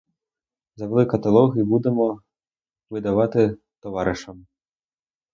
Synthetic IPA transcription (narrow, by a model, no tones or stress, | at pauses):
zɐʋlˠɪkɐt̪ɐlˠɔɣibud̪ɛmɔ | ʋɪd̪aʋat̪ɪ | t̪ɔʋaɾɪʂɐm